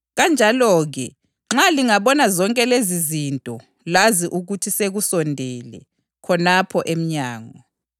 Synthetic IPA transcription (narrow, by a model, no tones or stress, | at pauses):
ɣand͡ʒʱalɔɣɛ | ŋ͡ǁaliŋaβɔnazɔŋkʼɛlezizintʼɔ | laziʔuɣutʰiseɣusɔndʱɛlɛ̰ | kʰɔnapʰɔʔem̩ɲaːŋɔ